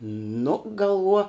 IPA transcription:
nʊ ɡɐlˠˈʋuɔ

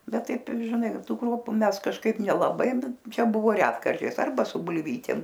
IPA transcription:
ˈbʲɛt ˈtɐɪp ʒʲɪˈnɐɪ ˈtuː ˈkruɔpʊ ˈmʲɛs kɐʃˈkɐɪp nʲɛlˠɐˈbɐɪ ˈt͡ʃʲɛ ˈbʊʋoː ˈrʲæːtkɐrʲt͡ʃʲɛɪs ˈɐrbɐ sʊ bʊlʲˈʋʲiːtʲeːm

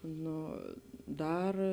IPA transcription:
ˈnoː ˈdɐr

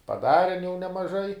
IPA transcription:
pɐˈdɑːrʲɛn jɛʊ nʲɛmɐˈʒɐɪ

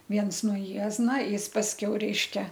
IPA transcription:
ˈʋʲiɛns nuɔ ˈjiɛznɐ ˈjɪs pɐsʲˈkʲɛʊ ˈrʲɛɪʃʲkʲɛ

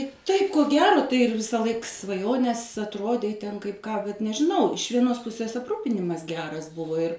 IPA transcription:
ˈtɐɪp koː ˈɡʲæːroː tɐɪ ɪr ʋʲɪsɐˈlˠɐɪk sʋɐˈjoːnʲeːs ɐtˈroːdʲɛɪ tʲɛn kɐɪp ˈkɑː bʲɛt nʲɛʒʲɪˈnɐʊ ɪʃ ʋʲiɛˈnoːs ˈpʊsʲeːs ɐpˈruːpʲɪnʲɪmɐs ˈɡʲæːrɐs ˈbʊʋoː ɪr

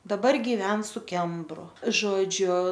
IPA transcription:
dɐˈbɐr ɡʲɪˈʋʲɛn sʊ ˈkʲɛmbrʊ ˈʒoːd͡ʒʲʊ

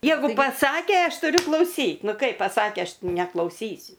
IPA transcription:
ˈjɛɪɡʊ pɐˈsɑːkʲeː ˈɐʃ tʊˈrʲʊ klˠɐʊˈsʲiːt ˈnʊ ˈkɐɪp pɐˈsɑːkʲeː ˈɐʃ nʲɛklˠɐʊˈsʲiːsʲʊ

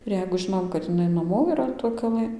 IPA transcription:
ɪr ˈjɛɪɡʊ ˈʒʲɪnoːm kɐt ɪˈnɐɪ nɐˈmoː iːˈrɐ toːj kɐˈlˠɘ

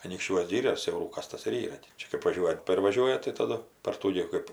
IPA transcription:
ɐnʲiːkʃʲˈt͡ʃʲuɔs ˈɡʲiːrʲoːs sʲɛʊˈruːkɐs ˈtɐs ɪr ˈiːrɐ tʲɪ ˈt͡ʃʲɛ kɜp ʋɐˈʒʲuɔjɛ ˈtʲeːp ɪr ʋɐˈʒʲuɔjɛ tɐɪ tɐˈdʊ pɐr ˈtuː ɡʲɪ ˈkɜp

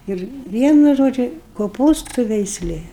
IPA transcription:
ˈɪr ˈʋʲiɛnʊ ˈʒoːd͡ʒʲʊ koːˈpuːstʊ ʋʲɛɪsʲˈlʲeː

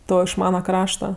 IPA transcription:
ˈtoː ɪʃ ˈmɑːnɐ ˈkrɑːʃtɐ

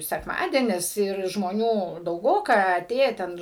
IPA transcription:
sʲɛkˈmɑːdʲiɛnʲɪs ɪr ʒmoːˈnʲuː dɐʊˈɡoːkɐ ɐˈtʲeːjɛ ˈtʲɛn

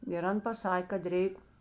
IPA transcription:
ɪr ˈɐn pɐˈsɐkʲ kɐt ˈrʲɛɪk

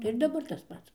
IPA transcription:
tɐɪ ɪr dɐˈbɐr tɐs ˈpɐts

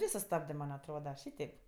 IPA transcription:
ˈʋʲeː sʊˈstɑːbdɜ ˈmɐnʲ ɐtˈroːdɐ ˈʃʲiːtʲɛɪp

